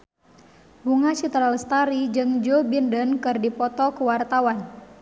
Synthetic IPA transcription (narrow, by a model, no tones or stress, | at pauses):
buŋat͡ʃit̪ɾalst̪aɾid͡ʒɨŋd͡ʒobindənkɨrdipɔt̪ɔkuwart̪awan